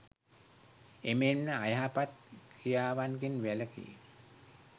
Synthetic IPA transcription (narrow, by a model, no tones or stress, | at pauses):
emennəajɦapat̪̚kʰijaːʋanɡenʋæləkḭː